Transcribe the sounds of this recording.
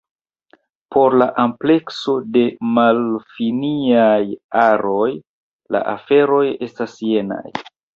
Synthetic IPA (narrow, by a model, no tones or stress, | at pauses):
po̞ɾlaʔample̞kso̞de̞malfiniajaɾo̞j | la̰ʔafe̞ɾo̞je̞stasjena̰j